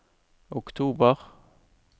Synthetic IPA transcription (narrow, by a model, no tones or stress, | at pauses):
ʊkt̪ʰuːbəʁ